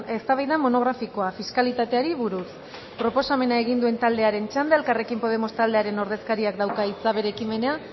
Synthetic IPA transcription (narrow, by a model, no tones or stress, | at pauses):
e̞st̪aβajðamo̞no̞ɣ̞ɾafiko̞afiskalit̪at̪e̞aɾiβuɾus | pɾo̞po̞same̞naeɣ̞ind̪ue̞nt̪ald̪e̞aɾe̞nt͡ʃand̪ae̞lkare̞kimpo̞ð̞e̞mo̞st̪ald̪e̞aɾe̞no̞ɾð̞e̞skaɾiakd̪awkait͡saβe̞ɾe̞kime̞nea